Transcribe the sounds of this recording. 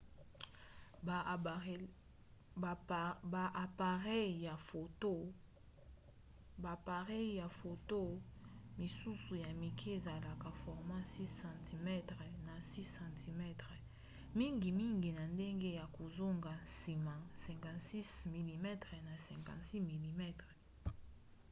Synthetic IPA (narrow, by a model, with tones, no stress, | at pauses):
ba˨ʔa˨pa˨ʁɛ˦˨a˨fo˨to˦ | ba˨pa˨ʁɛ˦ja˨fo˨to˦mi˨su˦su˨ja˨mi˨kʰe˦e˨za˨la˨ka˨fɔ˨ʁmã˦si˦sã˨ti˨mɛ˦tʁɛ˨na˨si˦sã˨tʰi˨mɛ˦tʁɛ˨ | mi˦ŋɡi˨mi˦ŋɡi˨na˨nde˦ŋɡe˦ja˨ko˨zo˦ŋɡa˨si˨mã˨sɛ̃˨ŋkã˨si˦smi˨li˨mɛ˦tʁɛ˨na˨sɛ̃˨ŋkã̰˨si˦mi˨li˨mɛ˦tʁɛ˨